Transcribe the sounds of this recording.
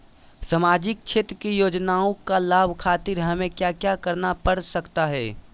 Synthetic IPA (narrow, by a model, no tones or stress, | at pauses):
səmaːd͡ʒɪk̚t͡ʃʰeːt̪ɾəkijoːd͡ʒnaːõkalaːbʱkʰaːt̪ɪɾɦɐmẽkjakjakəɾnapəɽsəkt̪aɦɛː